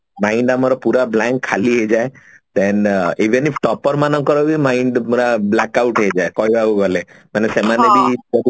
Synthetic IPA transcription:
maiɳɖamɔɾɔpuɾablaŋkʰːaliɦed͡ʒae | t̪eniʋenipʰʈɔpɔɾmanɔ̃ŋkɔɾɔbimaiɳɖmuɾablakauʈɦed͡ʒaekɔjauɡɔlemanesemanebʱibɔd̪

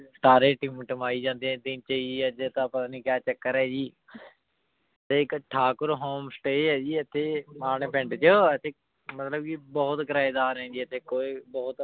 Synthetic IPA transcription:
sʈaːɾeːʈimʈəmaːiːd͡ʒãːnd̪eːɛ̃ːd̪ɪnt͡ʃəiːd͡ʒiːəd͡ʒeːt̪ãːpət̪aːnĩːkjaːt͡ʃəkːəɾɛːd͡ʒiː | t̪eːɪkʈʰaːkʊɾɦoːmsʈeːɛːd͡ʒiːət̪ʰːeːmaːneːpɪ̃ɳɖt͡ʃəət̪ʰeː | mət̪ləbkibɔːʊt̪ɡəɾaːed̪aːɾɦɛ̃ːd͡ʒ̪iːət̪ʰːeːkoːibɔːt̪

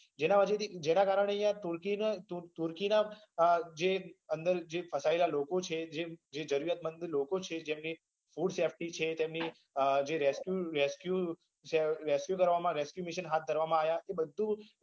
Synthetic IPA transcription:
d͡ʒenãʋət͡ʃet̪id͡ʒenakaɾəɳ̃eəɦjãt̪uɾkint̪ut̪uɾkina | d͡ʒeənd̪əɾd͡ʒefʰəsaelalokot͡ʃʰed͡ʒed͡ʒed͡ʒəɾuɾjat̪̚mənd̪lokot͡ʃʰed͡ʒemni | fuɖsefʈit͡ʃʰet̪emni | d͡ʒeɾeskjuɾeskju | seɾeskjukəɾʋamãɾeskjumiʃənɦat̪̚d̪ʱəɾʋamãaʋjaʔebəd̪ʱːũ

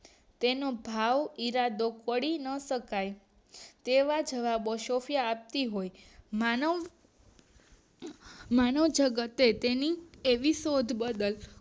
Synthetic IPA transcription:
t̪enobʱaʋiɾad̪okəɽinəʃəkaj | t̪eʋad͡ʒəʋaboʃofjaːp̚t̪iɦojman | manəʋd͡ʒəɡət̪et̪enieʋisod̪ʱbəd̪əl

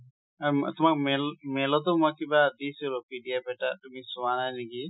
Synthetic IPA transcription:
at̪ʊmak̚melmelɔt̪̬ɔmakːibad̪isɔɾɔpiɖijapɛʈat̪umisuwanajniki

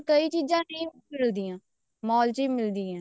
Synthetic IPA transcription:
kəiːt͡ʃiːzãːnəĩː | ɪld̪iːãː | mɔːlt͡ʃiːmɪld̪iːãː

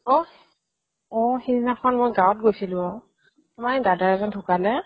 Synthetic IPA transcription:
ɔ | ɔhininakʰɔnmojɡawɔt̚ɡojsilʊ̃ɔ | majdadaɹɛzɔntʰukalɛ

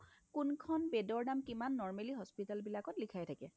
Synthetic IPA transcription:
kunkʰɔnbedɔɹdamkimanːɔɹmeliɦɔspitalbilakɔtlikʰajtʰakɛ

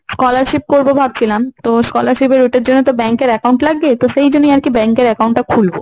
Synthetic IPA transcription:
skɔlaɾʃip̚koɾbobʱab̚t͡ɕʰilamt̪oskɔlaɾʃipeɾuʈeɾd͡ʑonːet̪obɛŋkeɾɛkauɳʈlaɡbet̪oʃejd͡ʑonːojaɾkibɛŋkeɾɛkawɳʈːakʰulbo̰

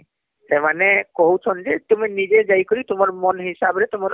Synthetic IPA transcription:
sɛmanɛkoɦut͡ʃʰɔnzɛt̪uminid͡ʒɛd͡ʒajkoɾit̪ʊmɔɹmɔnɦisabɾɛt̪ʊmɔ

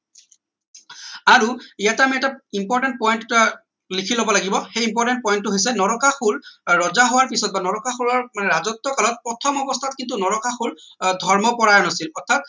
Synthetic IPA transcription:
aɹuijatamiɛtaimpɔɹtɛnt̚pɔjnt | likʰilobɔlaɡibɔxejimpɔɹtɛnt̚pɔjntːʊɦojsɛnɔɹɔkaxulɹɔzaɦowaɹpisɔt̚banɔɹɔkaxulɔɹmanɛɹazɔt̪ːɔkalɔt̚pɹɔtʰɔmɔbɔst̪ʰatkintunɔɹɔkaxul | dʱɔɹmɔpɔɹaɹnasilɔɹtʰat̚

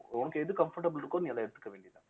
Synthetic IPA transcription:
ʊnɐkːeðɯkɐmfɐɾʈɐbɯlɪɾɯkːoːniːɐlːãːɛɽɯt̪ːɯ̥kːɐʋeːɳɖijɐt̪ːã̰ː

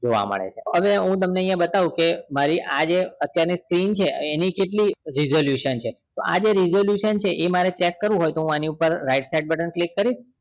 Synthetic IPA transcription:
d͡ʒoʋa̰mə̰ɭḛt͡ʃʰeəʋeɦũt̪əmneəjãbət̪aʋũkemaɾiʔa̰d͡ʒeət̪jaɾniskɾint͡ʃʰeenikeʈliɾizoljuʃənt͡ʃʰe | t̪oʔa̰d͡ʒeɾizoljuʃənt͡ʃʰeʔemaɾet͡ʃɛkːəɾʋũɦojt̪oɦũaniupəɾɾaiʈsaiɖ̚bəʈənklikːəɾiʃ

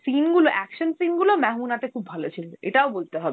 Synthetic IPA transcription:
sinɡuloʔɛkʃonsinɡulomɛɦmunat̪ekʰubːʱalot͡ɕʰileʔeʈaobolt̪eɦɔbe

